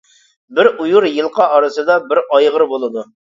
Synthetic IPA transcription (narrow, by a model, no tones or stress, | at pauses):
bɪɾujuɾjɨlˠqʰɑːɾɨsɨd̪ɑbɪɾɑjʁəɾbolˠɨd̪u